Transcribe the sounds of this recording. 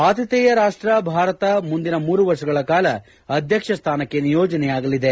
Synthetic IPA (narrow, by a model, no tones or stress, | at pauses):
aːt̪ʰjɐt̪ɛːjɐɾaːʂʈɾɐbʱaːɾɐt̪ɐmund̪inɐmuːɾuʋɐɾʂɐɡɐɭɐkaːlɐ | ɐd̪ʱjɐkʂɐst̪ʰaːnɐkːenijoːd͡ʒɐnɛjaːɡɐlid̪e̞